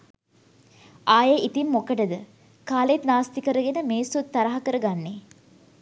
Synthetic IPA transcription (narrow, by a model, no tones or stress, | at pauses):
aːjeʔit̪imːokəʈəd̪ə | kaːlet̪naːst̪ikəɾəɡenəmeːsut̪ːaɾaɦɐkəɾəɡanːe